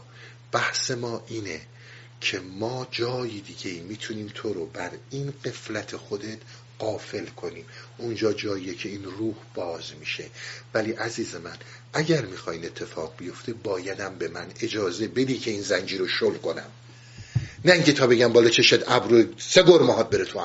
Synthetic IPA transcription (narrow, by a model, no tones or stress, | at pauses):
b̥æhse̞mɒːʔiːne | cʰe̞mɒːd͡ʒɒːjid̪iːɟe̞iːmiːt̪ʰuniːmt̪ʰo̞ɾobæɾinɢe̞flæt̪ʰexo̞d̪e̞t̪ | ɢ̥ɒːfe̞lkʰo̞niːmʔund͡ʒɒːd͡ʒɒːjiːjecʰe̞iːnruːhb̥ɒːzmiːʃe̞̰væliʔæziːze̞mæn | ʔæɟæɾmixɒːjine̞t̪ʰːe̞fɒːɣ̚bijo̞ft̪ʰebɒːjæd̪æmbe̞mæne̞d͡ʒɒːze̞be̞d̪iːkʰe̞iːnzænd͡ʒiːɾoʃolko̞næ̰m | næiŋcʰet̪ʰɒːbe̞ɟæmbɒːlɒt͡ʃʰe̞ʃed̪æbɾoseɡoɾmɒːɦɒːd̪̚be̞ɾet̪ʰoæ